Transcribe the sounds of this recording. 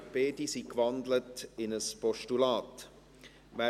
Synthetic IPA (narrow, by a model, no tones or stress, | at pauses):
b̥eːdisikvɑndlətɪnəspɔʃtulɑːt | ʋæ